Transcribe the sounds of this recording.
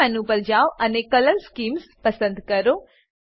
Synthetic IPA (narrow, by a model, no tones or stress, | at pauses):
ɐnupɐld͡ʒaːʋɐnekɐlɐlskiːmspɐsɐnd̪kɐɾu